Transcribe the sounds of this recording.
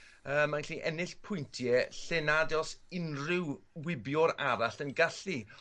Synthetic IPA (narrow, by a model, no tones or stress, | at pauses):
əːmːanɬiːʔɛnɪɬpʰʊjntʰjɛɬɛnadɔsɪnrɪw | wɪbjʊɾaɾaɬənɡaɬi